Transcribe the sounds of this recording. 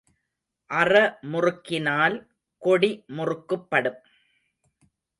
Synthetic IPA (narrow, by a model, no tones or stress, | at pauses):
ʔɐrɐmʊrɯkːɪnaːl | kɔɽimʊrɯkːɯpːɐɽɯm